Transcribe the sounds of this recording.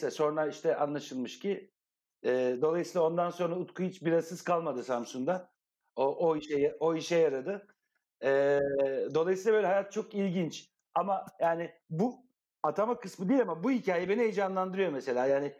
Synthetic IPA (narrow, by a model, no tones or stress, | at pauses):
ɛso̞nɾaiʃt̪ʰɛʔa̰nlˠaʃɯlˠmɯʃcʰi | ɛːd̪olˠajɯsiːlˠao̞nd̪anso̞nɾaut̪kʰujit͡ʃbiɾazɯz̥kʰalˠmad̪ɯsamsuŋd̪a | oʔoiʃɛjao̞iʃɛjaɾad̪ɯ | ɛːd̪olˠajsiːabølʲɛɦajat̪̚t͡ʃʰo̞kilʲɟint͡ʃ | amajaːnɪbu | at̪ʰamakɯsmɯd̪ejilʲamabuɦicʰaːjɛbeniejd͡ʒanlˠand̪ɯɾɯjo̞mese̞lʲaːjaːnɪ